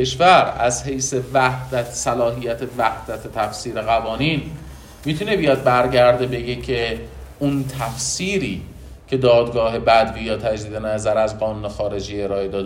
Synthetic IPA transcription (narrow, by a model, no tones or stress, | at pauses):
eʃvæɾæzhe̞jse̞væhd̪̥æt̪sælɒːɦijæt̪ʰevæhd̪̥æt̪ʰet̪ʰæfsiːɾeɣævɒːniːn | miːt̪ʰune̞bijɒd̪̚bæɾɟæɾd̪ebeɡe̞cʰeunt̪ʰæfsiːɾiː | cʰe̞d̪ɒːd̪ɡɒːɦe̞bæd̪biːjɒːt̪ʰæd͡ʒd̪iːd̪e̞næzæɾæzɢɒːnuːne̞xɒːɾe̞d͡ʒiːe̞ɾɒːe̞d̪ɒːd̪